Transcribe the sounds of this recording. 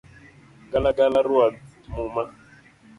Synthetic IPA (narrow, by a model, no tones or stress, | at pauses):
ɡalaɡalaɾuamuma